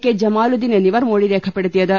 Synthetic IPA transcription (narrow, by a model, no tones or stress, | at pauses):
kːed͡ʒɐmaːlud̪ineniʋɐɾmoːɽiɾeːkʰɐpɐɽɐt̪ijɐd̪ɐ